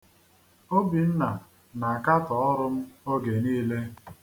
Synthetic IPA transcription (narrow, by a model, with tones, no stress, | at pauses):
o˦bi˨n̩˦na˨ | na˨a˨ka˦tɔ˨ɔ˦ɾʊ˦m̩˦o˦ɡe˨niː˦le˦